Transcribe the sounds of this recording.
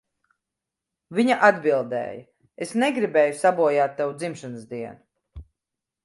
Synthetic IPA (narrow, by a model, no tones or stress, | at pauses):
viɲaʔad̪bilˠd̪ɛ̰ːjɐ | esneɡɾibɛːjusabuɔjaːt̪ːɛwud̪zimʃanəsd̪iɛnu